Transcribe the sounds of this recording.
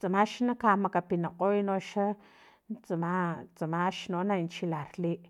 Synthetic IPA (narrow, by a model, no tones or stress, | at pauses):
t͡samaʃnakamakapinaqʼojnoʃa | nt͡samat͡samaʃnonant͡ʃilaɾliʔ